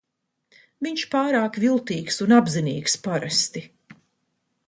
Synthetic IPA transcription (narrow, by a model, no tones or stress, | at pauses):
viɲʃpaːɾaːkvilˠt̪iːksunabziniːkspaɾɛst̪i